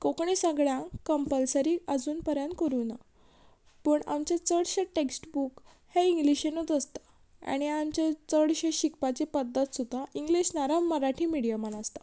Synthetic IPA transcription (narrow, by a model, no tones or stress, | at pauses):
kokɳesəɡɭjãkəmpəlsəɾiːad͡zuːnpəɾjant̪kəɾuːna | pəːɳa̰mt͡ɕjat͡səɽɕeʈeksʈbuk | heiŋɡliɕenot̪əst̪ḁ | a̰ɽ̃iamt͡ɕat͡səɽɕeɕikpat͡ɕepəd̪ʱːət̪sud̪ʱːaiŋɡliɕnaɾamːəɾaʈʰiːmiɽijamanast̪ḁ